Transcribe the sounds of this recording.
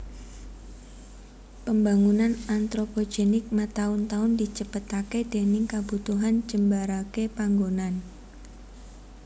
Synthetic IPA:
pəmbaŋunanant̪ɾopod͡ʒenɪk̚mat̪aʊnt̪aʊndit͡ʃəbət̪aked̥e̤nɪŋkab̥ut̪uɦand͡ʒəmbaɾakepaŋɡonan

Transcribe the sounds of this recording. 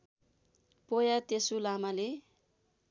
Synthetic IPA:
pojat̪esulamale

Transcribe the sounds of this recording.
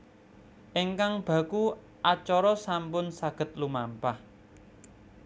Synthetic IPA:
ʔeŋkaŋb̥ä̤ku | ʔat͡ʃɔɾɔsampʊnsaɡ̥ə̤t̪̚lumampah

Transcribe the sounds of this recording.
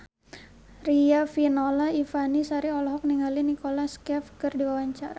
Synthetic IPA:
riafinolaifanisaɾiɔlɔɦɔk̚niŋɡalinikolaskɛfkɨrdiwawaɲt͡ʃaɾa

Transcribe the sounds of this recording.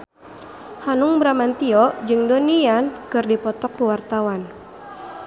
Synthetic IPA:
hanʊŋbɾamant̪iɔd͡ʒɨŋdoniankɨrdipɔt̪ɔkːuwart̪awan

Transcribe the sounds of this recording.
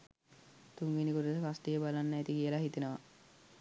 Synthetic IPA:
t̪uŋɡinikoʈut̪əkast̪ijəbalanːaet̪ikijəlaɦit̪enəʋa

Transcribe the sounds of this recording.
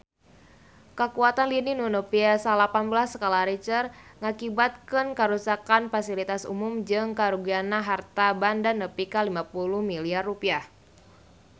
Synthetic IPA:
kəkuat̪anlininunopiasalapanbəlasːəkalaɾit͡ʃərŋakibat̪̚kənkəɾusakanfasilit̪asṵmʊmd͡ʒɨŋkaɾuɡianaɦart̪abandanːəpikalimapuluhmiliarːupiah

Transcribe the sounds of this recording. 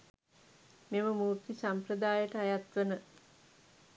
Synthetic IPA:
meməmuːɾt̪isampɾəd̪aːjəʈəajat̪ʋənə

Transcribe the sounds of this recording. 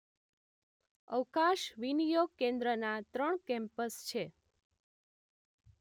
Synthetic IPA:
əwkaʃʋinijoɡ̚kẽnd̪ɾənat̪ɾəɳkɛ̃mpəst͡ʃʰe

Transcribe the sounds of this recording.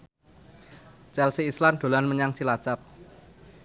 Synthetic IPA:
t͡ʃɛlsiːsland̪̥o̤lanməɲaŋt͡ʃilat͡ʃap̚

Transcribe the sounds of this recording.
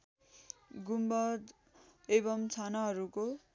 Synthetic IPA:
ɡumbʌd̪ | ebʌmt͡sʰanaɦʌɾuko

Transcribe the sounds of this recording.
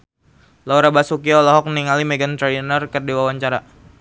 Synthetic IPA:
lauɾabasukiɔlɔɦɔk̚mniŋalimeɡant̪ɾainərkərdiwawaɲt͡ʃaɾa

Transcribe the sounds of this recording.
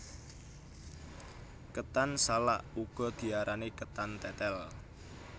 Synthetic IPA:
kət̪ansala̰ʔuɡ̥ɔ̤d̪̥i̤aɾʔanekət̪ant̪ɛt̪ɛl

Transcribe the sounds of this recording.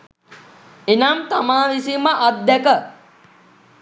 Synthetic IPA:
enamt̪amaːʋisiməʔat̪̚d̪ɛkə

